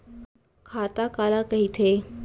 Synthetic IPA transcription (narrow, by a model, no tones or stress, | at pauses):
kʰaːt̪akaːlakɐɦit̪ʰeː